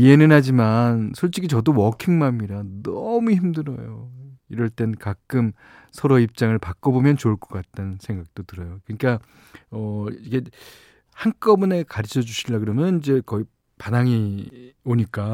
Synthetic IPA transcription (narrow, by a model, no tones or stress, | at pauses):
ie̞nɯnɦad͡ʑimansʰoɭt͡ɕ͈iɡʰit͡ɕʌdowʌkʰiŋmamːiɾanʌmuçimdɯɾʌjoiɾʌɭt͈e̞nkak͈ɯm | sʰʌɾoip̚t͡ɕ͈aŋɯɭpak͈ʌbomjʌnt͡ɕoɭk͈ʌk͈at̚t͈ansʰe̞ŋɡak̚t͈otɯɾʌjokɯɲik͈a | ʌiɡe̞ | hank͈ʌbune̞kaɾit͡ɕʰʌd͡ʑuɕʰildaɡɯɾʌmjʌnind͡ʑe̞kʌi | panaŋioɲik͈a